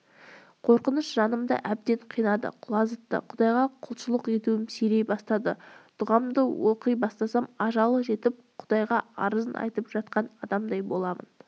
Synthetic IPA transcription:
qʰo̞ɾqənəʃʒɑnəmd̪ə̰ʔæb̚d̪e̞ɴqʰijnɑd̪ə̰qʰʊlˠɑzət̪ːə̰qʰʊd̪ɑjʁɑqʰʊlˠʃəlˠəqe̞t̪uwɪmsɵjɾejbɑst̪ɑd̪ət̪ʰʊʁɑmd̪əwoqəjbɑst̪ɑsɑmɑʒɑlˠəʒe̞t̪ɪp̚qʰʊ̥d̪ɑjʁɑɑ̰ɾəzənʔɑ̰jt̪əpʒ̥ɑt̪qɑnɑd̪ɑmd̪ɑjbo̞lˠɑmə̰n

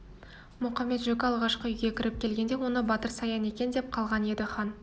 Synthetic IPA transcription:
mʊχɑme̞t̪ʒɵkʲɪɑlˠʁɑʃqəʏjɡʲe̞kʲʰɪɾɪp̚kʲʰe̞lɡʲe̞nd̪e̞wo̞nəbɑt̪əɾsɑjɑne̞kʲe̞nd̪e̞p̚qʰɑlˠʁɑne̞d̪ɪχɑn

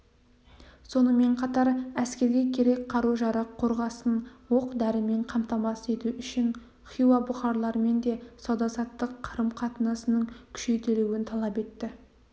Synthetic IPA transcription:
so̞nəme̞ɴqʰɑt̪ɑɾæskʲe̞ɾɡʲe̞kʲʰe̞ɾe̞kʲqʰɑɾuʒɑɾɑqʰːo̞ɾʁɑsənwo̞qd̪æɾɪme̞ɴqʰɑmt̪ɑmɑsəe̞t̪uʏʃɪn | χijwabʊχɑɾlˠɑɾəme̞nd̪e̞sɑwd̪ɑsɑt̪ːəqʰːəɾəmqʰɑt̪ənɑsənəɴkʲʰʏ̥ʃe̞jt̪eluwɪnt̪ʰɑlˠɑpe̞t̪ːɪ

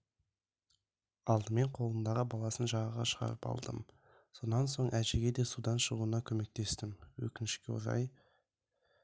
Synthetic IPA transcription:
ɑlˠd̪əme̞ɴqʰo̞lˠənd̪ɑʁəbɑlˠɑsənʒɑʁəʁɑʃəʁɑ̰ɾəpɑ̰lˠd̪ə̰m | so̞nɑnso̞ɴʔæʒe̞ɡʲe̞d̪e̞sud̪ɑnʃəʁuənɑkʲʰɵme̞k̚t̪e̞st̪ɪmwɵ̰kʲɪnʃkʲeṵɾɑ̰j

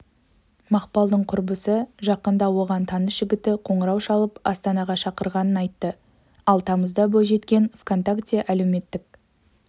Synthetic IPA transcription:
mɑqpɑlˠd̪əɴqʰʊɾbəsəʒɑqənd̪ɑwo̞ʁɑnt̪ʰɑnəsʒ̥ɪɡʲɪt̪ɪqʰo̞ɴəɾɑwʃɑlˠəpɑst̪ɑnɑʁɑʃɑqəɾʁɑnənɑjt̪ːə | ɑlˠt̪ʰɑməzd̪ɑboʒe̞t̪kʲe̞nfkont̪akt̪ijeʔæle̞wme̞t̪ːɪk̚

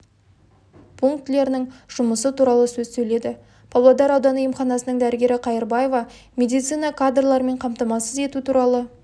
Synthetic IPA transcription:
pʰuŋk̚t̪le̞ɾɪnɪŋʒ̥ʊməsət̪ʰuɾɑlˠəsɵzsɵjle̞d̪ɪ | b̥ʰɑblˠɑd̪ɑɾɑwd̪ɑnujəmχɑnɑsənəŋd̪æɾɪɡʲe̞ɾɪqʰɑjəɾbɑje̞vɑmʲe̞d̪ijt̪sijnɑkʰad̪rlˠɑɾme̞ɴqʰɑmt̪ɑmɑsəze̞t̪ut̪ʰuɾɑlˠə

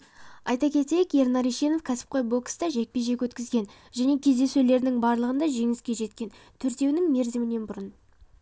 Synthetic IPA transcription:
ɑjt̪ɑkʲʰe̞t̪e̞jeke̞ɾnɑɾiʃe̞no̞fkʲʰæsɪ̥p̚qʰojbo̞kst̪ɑʒe̞k̚pe̞ʒe̞kwɵt̪kʲɪzɡʲe̞n | ʒæne̞kʲʰe̞zd̪e̞sule̞ɾnɪŋbɑɾlˠəʁənd̪ɑʒe̞ŋɪskʲe̞ʒe̞t̪kʲe̞nt̪ʰʏɾt̪e̞wnɪŋme̞ɾzɪmɪne̞nbʊɾən

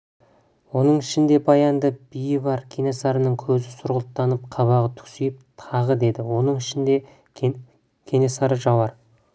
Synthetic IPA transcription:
wo̞nəɴɪʃɪnd̪e̞bɑjɑnd̪əb̥ijɪβɑɾkʲʰe̞ne̞sɑɾənəŋkʲʰɵzɪsʊɾʁəlˠt̪ːɑnəp̚qʰɑβɑʁət̪ʰʏ̥ksijɪp̚t̪ʰɑʁəd̪e̞d̪ɪwo̞nəɴɪʃɪnd̪e̞ | kʲʰe̞ne̞sɑɾəʒɑwɑɾ

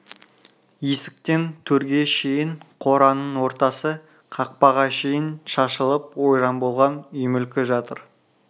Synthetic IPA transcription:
esɪk̚t̪e̞nt̪ʰɵɾɡʲe̞ʃe̞jɪɴqʰo̞ɾɑnəɴwo̞ɾt̪ɑsə | qʰɑq̚pɑʁɑʃe̞jɪnʃɑʃəlˠəp̚wo̞jɾɑnbo̞lˠʁɑnʏjmʏlkʲɪʒɑt̪əɾ

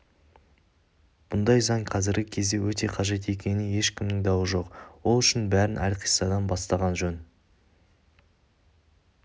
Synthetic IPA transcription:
b̥ʊnd̪ɑjzɑɴqʰɑzɪɾɡʲɪkʲʰe̞zd̪e̞wɵt̪e̞qʰɑʒe̞t̪e̞kʲe̞nɪje̞ʃkʲɪmnɪŋd̪ɑwəʒo̞qwo̞lˠʏʃɪnbæɾɪnʔæ̰lqʰi̥jsɑd̪ɑnbɑst̪ɑʁɑnʒɵn

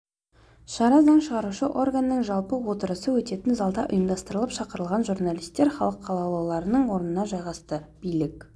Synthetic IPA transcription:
ʃɑɾɑzɑɴʃəʁɑɾuʃəʔo̞rɡanːəɴʒɑlˠpəwo̞t̪əɾəsəwɵt̪e̞t̪ɪnzɑlˠd̪ɑʔʊ̰jəmd̪ɑst̪əɾəlˠəpʃɑqəɾəlˠʁɑnʒurnalʲijst̪e̞ɾχɑlˠəqːʰɑlˠɑlˠɑwlˠɑɾənəɴwo̞ɾənənɑʒɑjʁɑst̪əb̥ijlɪk

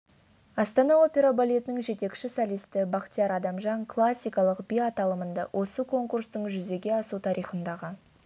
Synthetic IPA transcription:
ɑst̪ɑnɑo̞pʲe̞ɾabalʲet̪ənɪŋʒe̞t̪e̞kʃɪsalijst̪ɪbɑqt̪ijɑɾɑd̪ɑmʒɑŋkʰlˠasʲːijkɑlˠəqbʲijat̪ɑlˠəmənd̪ɑwʔo̞səkʰo̞ŋkurst̪əɴʒʏze̞ɡʲe̞ɑsut̪ʰɑɾʔijχənd̪ɑʁə

